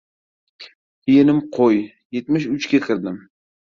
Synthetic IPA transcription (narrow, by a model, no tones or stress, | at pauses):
ijenɪmqʰoj | jet̪mɪʃʊt͡ʃkʲaqʲʰɨɾd̪ɪm